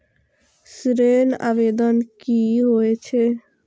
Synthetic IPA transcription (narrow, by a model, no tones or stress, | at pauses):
sɾena̰bed̪ənkiɦoet͡ʃʰe